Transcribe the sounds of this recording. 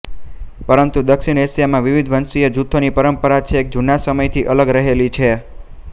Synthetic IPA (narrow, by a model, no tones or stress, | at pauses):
pəɾənt̪ud̪əkʃiɳesjamãʋiʋid̪ʱʋənsied͡ʒut̪ʰːonipəɾəmpəɾat͡ʃʰeːk̚d͡ʒunasəməjt̪ʰiʔələɡɾəɦelit͡ʃʰe